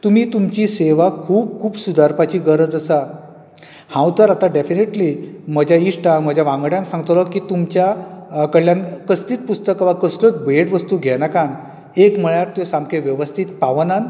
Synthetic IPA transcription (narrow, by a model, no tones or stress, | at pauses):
t̪um̤iːt̪umt͡ɕiːseʋakʰuːb̚kʰuːbsud̪ʱaɾpat͡ɕiːɡəɾəd͡zəsa | hãwt̪əɾat̪aɖefineʈliːməd͡ʑʱjaiʂʈaməd͡ʑʱjaʋãŋɡɽjãnsãŋɡət̪ələkiːt̪umt͡ɕjakəɭjankəst̪iːt̪̚pust̪əkaʋakəslət̪beʈʋəst̪uːɡʱɛnakan | ekməɭjaɾ̚t̪josamkʰeʋjəʋəst̪ʰiːt̪paʋənan